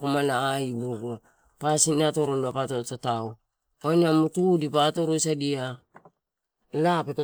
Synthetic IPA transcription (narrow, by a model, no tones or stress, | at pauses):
komanaːibuɡu | pasinato̞ɾolapatotataw | onamutudipato̞ɾojsadia | lapeta